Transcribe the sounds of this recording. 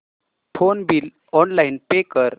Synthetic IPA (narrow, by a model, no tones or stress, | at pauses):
fʰonbil | ɔnlainpekəɾ